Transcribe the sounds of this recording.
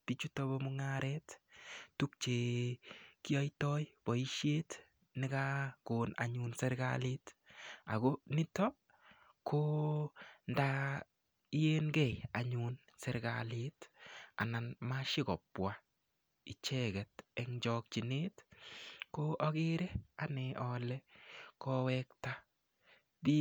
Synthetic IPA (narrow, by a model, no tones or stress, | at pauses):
tit͡ʃutɔbɔmuŋaɾɛttuk̚t͡ʃe | kiɔjtɔjpɔiʃjet | nɪkakona̰ɲunsɛɾɡa̰litaɡonɪtɔ | kʰo | nda | ijenɡɛja̰ɲun | sɛɾɡa̰lita̰nanmaʃɪkɔpwa | it͡ʃɛɡɛtɛŋd͡ʒɔk̚t͡ʃineːt | koʔɔɡɪɾɛanɪʔɔlɛkɔwɛkta | bi